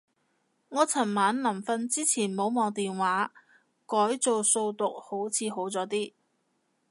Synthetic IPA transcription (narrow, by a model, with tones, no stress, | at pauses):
ŋɔː˨˧t͡sʰɐ˨˩nmaː˨˥nlɐ˨˩mfɐ˧nt͡siː˥t͡sʰiː˨˩nmo˨˧wmɔː˨˧ŋt̪iː˨nwaː˨˥ | kɔː˨˥jt͡so˨wso˧wt̪ʊ˨k̚ho˨˥wt͡sʰiː˨˧ɦo˨˥wt͡sɔː˨˥t̪iː˥